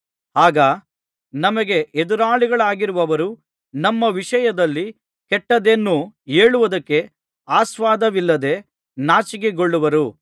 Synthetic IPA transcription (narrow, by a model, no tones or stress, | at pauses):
haːɡɐ | nɐmɐɡe̞ʔed̪uɾaːɭiɡɐɭaːɡiɾuʋɐʋɐɾu | nɐmːɐʋiʂɐjɐd̪ɐlːi | kɛʈːɐd̪enːue̞ːɭuʋɐd̪ɐkːe̞ | aːsʋaːd̪ɐʋilːɐd̪e̞ | naːt͡ʃiɡeɡoɭːuʋɐɾu